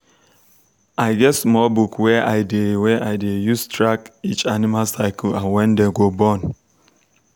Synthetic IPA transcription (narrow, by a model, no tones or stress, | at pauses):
aɪɡɛtsmɔlbukweʔaɪdeweʔaɪdejustɾakit͡ʃanimalsaɪkl̩ãnwɛ̃n̩deɡobɔn